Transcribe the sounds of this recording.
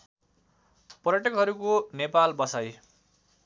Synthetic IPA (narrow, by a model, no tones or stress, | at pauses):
pʌrjaʈʌkɦʌɾukonepalbʌsaj